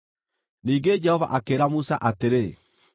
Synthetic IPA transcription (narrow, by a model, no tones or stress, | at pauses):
niːŋɡed͡ʒɛhɔva̰ʔakeːɾamusa̰ʔateɾe